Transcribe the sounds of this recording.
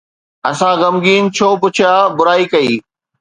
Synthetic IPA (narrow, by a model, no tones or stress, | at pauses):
ɐsãɣɐmɡiːnt͡ɕʰoːpʊt͡ɕʰjaːbʊɾaːikɐiː